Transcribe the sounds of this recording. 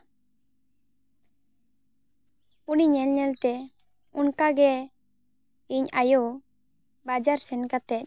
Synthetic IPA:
uniɲɛlɲɛlt̪ɛ | unkaɡɛ | iɲajo | bad͡ʒaɾsɛnkat̪ɛc̚

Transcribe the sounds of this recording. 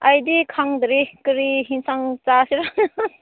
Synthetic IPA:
ajdikʰaŋd̪ɾikɯɾiɦinsaŋt͡ʃasiɾa

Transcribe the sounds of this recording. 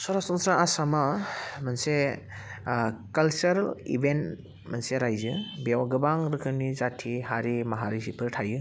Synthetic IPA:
sɔɾasɔŋsɾaasamamɐnse | kɐlsɐɾalḭbent | mɐnseɾajzɯbewaɡɯbaŋɾɯkʰɯnizatʰihaɾimaɦaɾisipʰɯɾtʰajɯ

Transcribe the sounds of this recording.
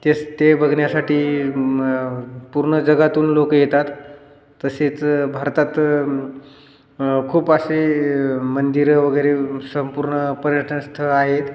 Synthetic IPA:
t̪est̪ebʱəɡɳjasaʈiː | puɾɳəd͡zəɡat̪uːnlokjet̪at̪ː | əset͡sbʱaɾt̪at̪ | kʰuːpəɕe | mənd̪iɾʋəɡəjɾesəmpuɾɳəpəɾjəʈʰəɳəst̪ʰəaɦet̪

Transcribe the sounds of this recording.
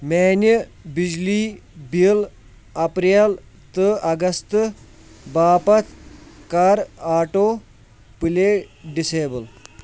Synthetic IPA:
mɛnjəbid͡ʑliːbil | ɐpɾel | t̪əʔɐɡɐst̪ | baːpɐt̪kaɾaːʈo | pileɖiseːbəl

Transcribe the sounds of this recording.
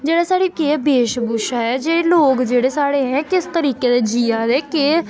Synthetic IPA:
d͡ʒeːɽaːsaːɽiːkeːbeːʃbuːʃaɛːd͡ʒeːɽeːloːkd͡ʒeːɽeːsaːɽeːɦɛ̃ːkɪst̪əɾiːkeːd̪eːd͡ʒiːaːd̪eːkɪ

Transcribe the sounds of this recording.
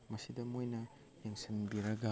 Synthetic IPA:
mɐsidɐmojnɐ | jeŋsinbiɾɐɡɐ

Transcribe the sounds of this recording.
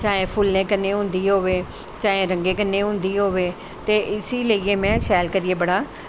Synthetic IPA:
t͡ʃaːẽːpʰʊlnẽːkənːeːɦʊ̃nd̪iːɦoːʋeː | t͡ʃaːẽːɾəŋɡeːkənːẽːɦʊ̃nd̪iːɦoːʋeː | t̪eːʔɪsiːləiːeːmɛ̃ːʃɛːlkəɾɪeːbəɽaː

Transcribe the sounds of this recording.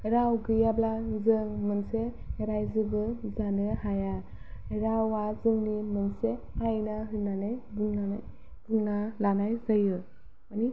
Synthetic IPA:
ɾawɡɯjablazɯŋmɯnse | eɾajzibɯzandɯhaja | ɾawazɯŋnimɯnse | ajnaɦɯnanajbuŋnanaj | b̥uŋnalanajzajɯ | mani

